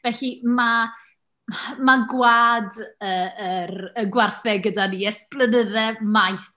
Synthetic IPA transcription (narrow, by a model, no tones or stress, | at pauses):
vɛɬima | maɡwaːdəəɾəɡwarθɛɡədaniɛrsplˠənəðɛmajθ